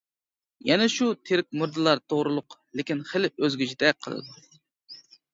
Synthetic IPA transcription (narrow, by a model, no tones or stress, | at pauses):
jɛnɛʃut̪ʰeɾɪk̚ʲmuɾd̪ɨlˠɑɾt̪ʰoʁɾɨlˠʊqlɪkʲinχəlɪʔøzɡʲyd͡ʒʰid̪ɛqʰəlˠɨ̰d̪u